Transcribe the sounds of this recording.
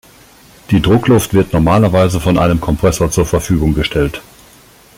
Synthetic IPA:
d̥iːdʁʊklʊftv̥ɪɐtnɔɐmaːlɐvaɪzəfɔnʔaɪnəmkʰɔmpʁ̥ɛsoːɐt͡suːɐfɛɐfyːɡʊŋɡəʃtʰɛlt

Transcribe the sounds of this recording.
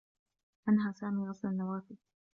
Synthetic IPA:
ʔanɦaːsaːmiːɣɑslanːawaːfɪl

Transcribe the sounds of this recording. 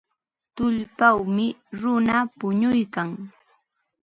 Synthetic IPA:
t̪ʊʎpawmɪɾʊnapʊɲʊjkaŋ

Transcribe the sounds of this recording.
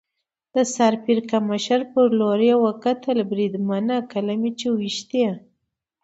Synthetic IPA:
d̪̥əsaɾpiɾkamaʃaɾpəɾloɾjewakat̪albɾid̪manakalamit͡ʃewiʃt̪a

